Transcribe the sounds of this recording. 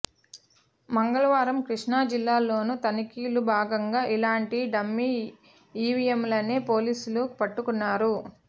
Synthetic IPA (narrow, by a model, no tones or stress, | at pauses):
mɐŋɡɐɭɐʋaːɾɐmkɾiʂɳaːd͡ʒilːaːlo̞ːnut̪ɐnikiːlubʱaːɡɐŋɡaːʔilaːɳʈiɖɐmːi | iːʋijemlɐneːpo̞ːliːsulupɐʈːukunːaːɾu